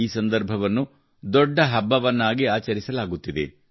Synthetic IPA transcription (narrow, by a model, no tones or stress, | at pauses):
iːsɐnd̪ɐɾbʱɐʋɐnːu | d̪ɔɖːɐɦɐbːɐʋɐnːaːɡiaːt͡ʃɐɾisɐlaːɡut̪ːid̪e̞̰